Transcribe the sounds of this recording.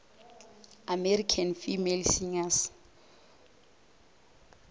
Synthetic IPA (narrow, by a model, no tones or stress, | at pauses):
amɛrikʰanfimelsiŋas